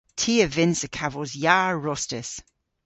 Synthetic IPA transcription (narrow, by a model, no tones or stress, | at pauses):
tʰiːəvɪnsəkʰavɔzjaːɹɔstəs